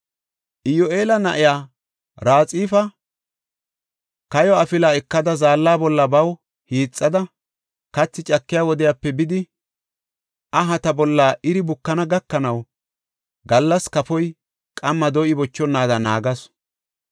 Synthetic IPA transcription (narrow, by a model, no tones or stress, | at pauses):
ʔɪjɔʔe̞ːlɐnɐ̰ʔɪjaː | ɾaːt͡sʼiːfɐ | kɐjɔɐfɪlaːɛkːɐd̪ɐzaːlːaːbɔlːɐbɐw | hiːt͡sʼːɐd̪ɐ | kɐt͡sːɪt͡ʃʼɐkːɪjaːwɔd̪ɪjaːpːɛbɪd̪ɪ | ʔɐɦɐt̪ɐbɔlːaːʔɪɾɪbʊkːɐnɐɡɐkːɐnɐw | ɡɐlːɐskɐfɔj | kʼɐmːɐd̪ɔʔɪbɔt͡ʃːɔnːaːd̪ɐna̰ːɡɐs